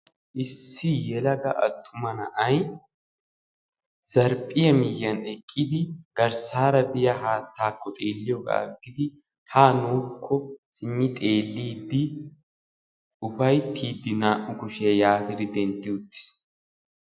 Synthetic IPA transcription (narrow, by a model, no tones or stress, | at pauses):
ʔɪsːɪjɛlɐɡɐ̰ʔɐ̰t̪ʰːʊmɐnɐʔɐj | z̥ɐɾpʼːɪjɐmɪjːɐnɛkʼːɪd̪ɪɡ̥ɐɾsaːɾɐb̪ɪjɐɦaːt̪ʰːaːkʰːɔt̪ʼe̞ːlːɪjɔɡa̰ːɡɪd̪ɪ | haːnoːkʰːɔsɪmːɪt̪ʼe̞ːlːiːd̪ːɪ | ʊfɐjt̪ʰːiːd̪ːɪnaːʔʊkʊʃɪjɐjaːt̪ɪd̪ɪd̪ɛnt̪ːɪʊt̪ːɪ̥s